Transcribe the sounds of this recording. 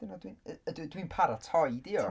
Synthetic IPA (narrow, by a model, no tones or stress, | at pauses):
dɪnadwinəəddwinpʰaɾatʰɔjdiɔ